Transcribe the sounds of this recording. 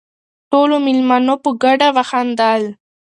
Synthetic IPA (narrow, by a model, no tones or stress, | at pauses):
ʈolomɪlmanopəɡaɖawaxand̪al